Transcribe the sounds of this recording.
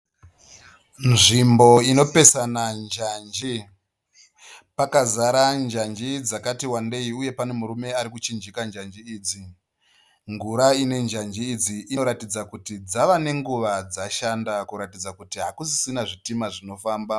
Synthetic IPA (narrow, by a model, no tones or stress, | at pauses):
nʐimbo̞ino̞pe̞sanand͡ʒaːnd͡ʒi | pakazaɾand͡ʒand͡ʒid͡zakatiwande̞iuje̞pane̞muɾume̞aɾikut͡ʃind͡ʒikand͡ʒand͡ʒiiːd͡zi | ŋɡuɾaine̞nd͡ʒand͡ʒiːd͡ziʔinoɾatid͡zakutid͡zaʋane̞ŋɡuʋad͡zaʃandakuɾatid͡zakutiɦakusi̥sinaʐitimaʐino̞faːmba